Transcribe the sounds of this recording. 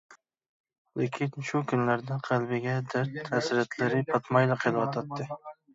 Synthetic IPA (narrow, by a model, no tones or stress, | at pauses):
lekʲʰɪnʃʊkʰʲʊnlaɾd̪aqʰɑlˠbɪɡʲad̪aɾt̪ːasɾat̪laɾɪpʰɑt̪majlaqʰelˠwɒt̪ʰat̪ːɪ